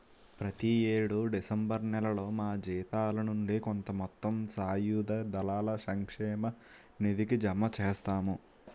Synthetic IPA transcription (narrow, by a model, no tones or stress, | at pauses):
pɾɐt̪ieːɽuɖisɐmbɐɾnɛlɐlo̞ːmaːd͡ʒiːt̪aːlɐnuɳɖikont̪ɐmɔt̪ːɐmsaːjuːd̪ɐd̪ɐlaːlɐsɐŋkʂɛːmɐ | nid̪ikid͡ʒɐmːɐt͡ʃeːst̪aːmu